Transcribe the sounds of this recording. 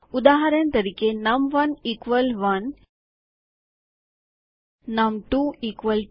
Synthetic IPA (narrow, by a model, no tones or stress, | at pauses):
ud̪aɦaɾjãnt̪əɾiːkenɐmʋənikʋəlʋən | ɐmʈuikʋəl